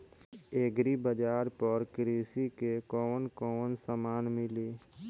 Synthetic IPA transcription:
eːɡɾibəd͡ʒaːɾpəɾkɾeːsikekɔːnkɔːənsəmaːnmɪleː

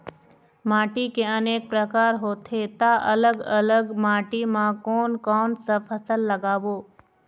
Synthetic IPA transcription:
maːʈikeəneːk̚pɾəkaːɾɦoːt̪ʰet̪aʔələɡələɡmaːʈimãkoːnkɔːnsəfʰəsəlːəɡaːʋoː

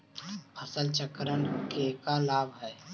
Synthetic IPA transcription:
pʰɐsəlt͡ʃəkɾənkekalaːbɦɛː

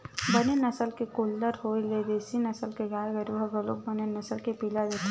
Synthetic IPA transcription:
bɐnenɐsəlkekoːlːəɾɦoːiled̪eːsinɐsəlkeɡaːjɡɐɾubʱɐɡɐlo̰ːk̚bɐnenɐsəlkepiːlad͡ʒ̪et

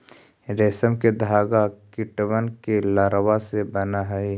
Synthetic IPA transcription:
ɾeːsəmked̪ʱaːɡakɪʈʋənkelaːɾwasebənaɦɛe

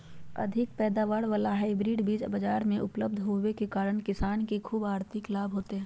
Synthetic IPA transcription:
ɐ̰d̪ʱɪk̚pɛːd̪aːʋaːɽʋaːlaɦaːɪbɾiːɖbiːd͡ʒbɐd͡ʒaːɾmẽʔʊpləbd̪ʱɦoːʋekekaːɾəɽ̃kɪsaːnkekʰuːbaːɾt̪ɪklaːbʱɦoːt̪eɦɛ̃ː

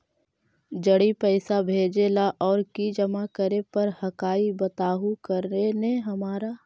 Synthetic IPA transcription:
d͡ʒəɽipɛɪsabʱeːd͡ʒelaʔɔːɾkid͡ʒəmakəɾepɐɾhɐkaːibɐt̪aːɦukəɾnenẽɦɐmaːɾa

